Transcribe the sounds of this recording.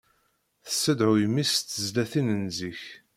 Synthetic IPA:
θəsːəd̪ʕʊjmist̪ːəzlæθinənziç

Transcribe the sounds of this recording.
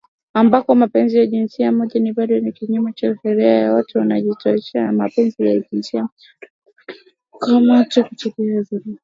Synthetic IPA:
ambakɔmapɛnzijaʄinsiamɔʄaniɓaɗɔnikiɲumat͡ʃaʃɛɾɛajawatɛwanaʄitɔɛt͡ʃɛamapɛnzija̰ʄinsia | kamatɔkut͡ʃukiazuɾi

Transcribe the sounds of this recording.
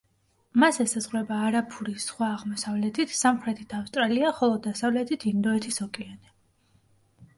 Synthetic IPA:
masɛsazʁɾwɛbaːɾapʰuɾisχwaːʁmɔsavlɛt̪ʰit̪ʰsamχɾɛt̪ʰit̪ʰafst̪ʼɾaliaχɔlˠɔd̪asavlɛt̪ʰit̪ʰind̪ɔɛt̪ʰisɔkʼɛanɛ

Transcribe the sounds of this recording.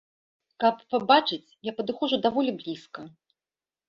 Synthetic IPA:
kɐpːabat͡ʂɨt͡sʲjapɐd̪ɨxɔʐud̪avɔlʲiblʲiskɐ

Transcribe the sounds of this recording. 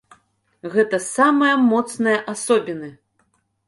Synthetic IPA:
ɣɛt̪ɐsamɐjɐmɔt̪snɐjɐʔasɔbʲinɨ

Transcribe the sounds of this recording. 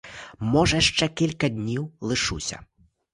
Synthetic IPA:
mɔʐɐʂt͡ʂɛkʲilʲkɐd̪ʲnʲiwlˠɨʂṵsʲɐ̰

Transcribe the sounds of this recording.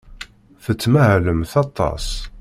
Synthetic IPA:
θət͡sːməʕləmθɑt̪ˤːɑ̰sˤ

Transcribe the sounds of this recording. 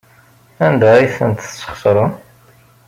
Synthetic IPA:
ænd̪æiθənt̪t͡sːə̥χsɾˤən

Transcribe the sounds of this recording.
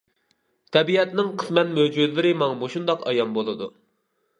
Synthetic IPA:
t̪ʰɛbiɛt̪nɪŋqʰəsmɛt̪mød͡ʒud̪lɪɾɪmɑŋmoʃund̪ɑqɑ̰jɑnbolˠɨd̪ṵ

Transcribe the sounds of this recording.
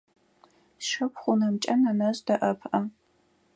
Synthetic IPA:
ʃɨpχʷʊnɐmt͡ʃʼɐnɐnɐɕʼdɐʔɐpʰʔɐ

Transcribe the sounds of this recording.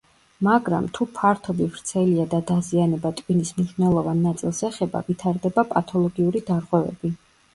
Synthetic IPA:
maɡɾa̰mt̪ʰupʰaɾt̪ʰɔbivɾt̪sʰɛliad̪ad̪azianɛbat̪ʼwinismniʃnɛlˠɔvanːat̪sʼilˠsɛχɛba̰vit̪ʰaɾd̪ɛbapʼat̪ʰɔlˠɔɡiuɾid̪aɾʁwɛvɛ̰bi

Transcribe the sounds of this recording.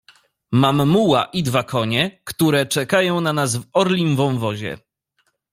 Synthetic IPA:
mamːuwa̰ʔid̪vakʰɔɲɛkt̪uɾɛt͡ʂɛkajɔ̃w̃nanazvɔɾlʲimvɔ̃w̃vɔʑɛ̰

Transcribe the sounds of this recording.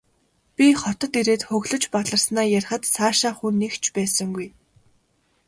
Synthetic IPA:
pʲiχɔt̪ɞ̆t̪iɾeːt̪χɵɣɮɵ̆t͡ɕpaɮə̆rsnaːjarʲχə̆t̪saːʃaːχunːekt͡ɕʰpæːsə̆ŋɡuj

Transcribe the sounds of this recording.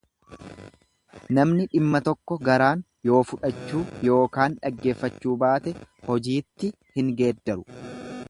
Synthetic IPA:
nɐmnɪᶑɪmːɐt̪ɔkːɔɡɐɾaːn | jo̞ːfʊᶑɐt͡ʃːuːjo̞ːkaːnᶑɐɡːe̞ːfːɐt͡ʃːuːbaːt̪ɛhɔd͡ʒiːt̪ːɪ | hɪŋɡe̞ːd̪ːɐɾʊ

